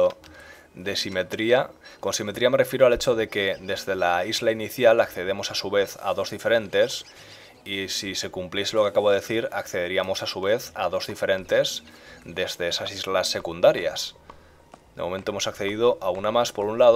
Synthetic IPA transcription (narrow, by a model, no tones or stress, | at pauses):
o | ðe̞simet̪ɾiako̞nsime̞t̪ɾiame̞refjeɾoalet͡ʃoðe̞ke̞d̪e̞zðe̞laizlainiθjalakθe̞ð̞emo̞sasuβe̞θa̰ðo̞zðife̞ɾẽ̞nt̪e̞s | isise̞kumplje̞selo̞keakaβo̞ðeeθiɾakθeðeɾiamo̞sasuβ̞e̞θa̰ðo̞zðife̞ɾẽ̞nt̪e̞zd̪e̞zðe̞esasizlasːe̞kund̪aɾja̰s | d̪emo̞ment̪oemo̞sakθe̞ðiðo̞ʔaunamaspo̞ɾunlað